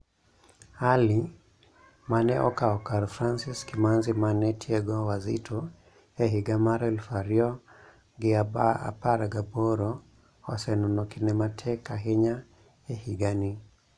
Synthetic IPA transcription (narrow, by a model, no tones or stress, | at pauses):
ali | manɛʔɔ̰kaɔkaɾfɾansiskimanzimanɛtʰiɛɡɔwazḭtʰɔ | ɛɦiɡamaɾɛɛlfaɾiɔ | ɡɛabaa̰paɾaɡabɔɾɔ | ɔsɛnunɔkinɛmatʰɛkaɦɛɲa | ɛhiɡani